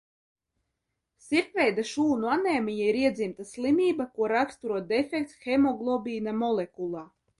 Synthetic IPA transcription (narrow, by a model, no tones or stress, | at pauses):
siɾpvɛjd̪aʃuːnuanɛːmijaiɾiɛd̪zimt̪aslˠimʲiːbakuɔɾakst̪uɾuɔt̪̚d̪ɛfʲɛkt̪sxɛmɔɡlˠɔbʲiːnamɔlˠekulˠaː